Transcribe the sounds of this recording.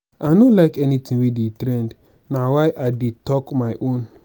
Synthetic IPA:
anolaɪkɛnitĩwedetɾɛ̃nd | nawajʔadetɔkmajʔõn

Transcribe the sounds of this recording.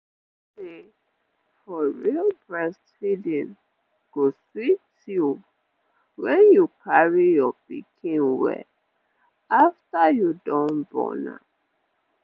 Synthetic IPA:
se | fɔɹilbɹɛsthidĩn | ɡ̥oswit | ju | wɛ̃njukʰaɹijɔpḭkʰĩnwɛ̰ | aftajudɔ̃nbɔ̰na̰

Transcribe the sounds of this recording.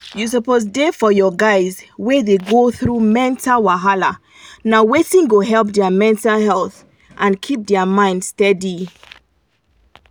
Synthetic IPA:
jus̬əpozdefɔjɔɡaɪzwɛðeɡoθɹumɛ̃ntalwaɦala | nawetĩnɡoɦɛlˠp̚dɛəmɛ̃ntalhɛlˠθ | ʔãnkʰip̚dɛəmãɪ̃ndstɛdi

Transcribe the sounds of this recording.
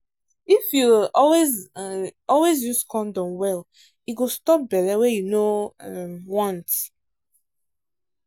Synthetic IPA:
ifjuɔlwez | ɔlwezjuskʰɔ̃ndɔ̃mwɛl | iɡostɔp̚bɛlɛwɛjunoɛmwɔ̃nt

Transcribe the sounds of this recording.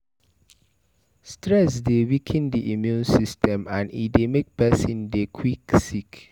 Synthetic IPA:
stɹɛsdewikʰɛ̃ndiʔimjũnsistʰɛ̃mãnḭdemek̚pɛsĩndekʰwiksik

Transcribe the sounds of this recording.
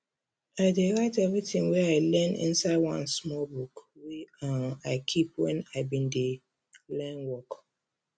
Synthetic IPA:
aɪdeɹaɪtɛvɹitĩŋwɛaɪlɛ̃nḭ̃nsaɪdwã̰nsmɔlbukwɛanaɪkʰip̚wɛ̰̃naɪbĩnde | lɛ̃nwɔk

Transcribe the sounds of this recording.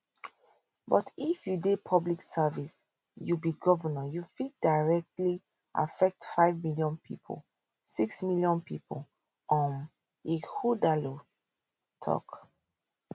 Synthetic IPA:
bɔtifjudepʰɔbliksɛvis | jubiɡɔvənajufit̚daɹɛk̚tli | ʔa̰fɛk̚tfaɪvmiljɔ̃npʰḭpʰo̰l | siksmiljɔ̃npipʰo̰l | ɔ̃n | ehudalo | tʰɔ̰k

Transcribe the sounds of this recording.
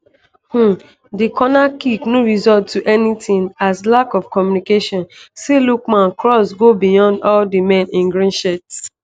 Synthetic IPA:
h̩ | dikʰɔnakiknoɹizɔd̚tːuʔɛnitĩŋazlakɔfkɔmjunikeʃɔ̃nselukmãnkɹɔsɡobijɔ̃ndɔldimɛ̃nĩnɡɹĩnʃɛt

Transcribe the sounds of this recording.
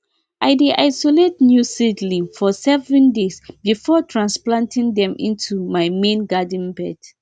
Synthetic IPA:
ʔaɪdeʔaɪsolet̚njusidlifɔsɛvɛ̃ndesbifɔtʰɹãnsplãntʰĩŋdɛ̃mʔḭ̃ntʰumajmẽnɡadə̃n̩bɛd

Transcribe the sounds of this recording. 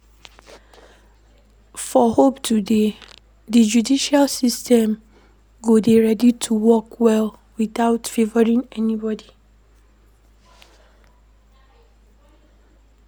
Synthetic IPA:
fɔhoptʰude | did͡ʒudiʃalsistʰɛ̃m | ɡodeɹɛditʰuwɔkwɛl | wiθaʊtfevɔɾĩŋɛnibɔdi

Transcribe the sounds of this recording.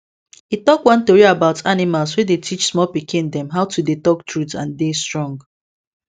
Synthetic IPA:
itɔkwãnθioɹiabaʊtʰanimalswedetʰit͡ʃsmɔlpikĩndɛ̃mɦaʊtudetɔk̚tɹutãndestɹɔ̃ŋɡ

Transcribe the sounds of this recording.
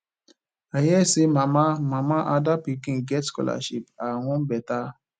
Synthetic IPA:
ajɛsemãmãmãmãʔadapikĩɡɛtskɔ̰la̰ʃipaw̃ɔ̃bɛta

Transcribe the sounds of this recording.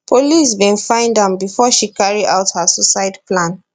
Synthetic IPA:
pʰolisbĩnfãɪ̃ndãmbifɔʃikaɹiaʊthasusaɪdplãn

